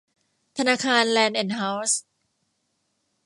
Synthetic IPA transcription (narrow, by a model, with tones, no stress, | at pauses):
t̪ʰa˧naː˧kʰaː˧nlɛː˧nʔe˧˩nɦa˦˥ws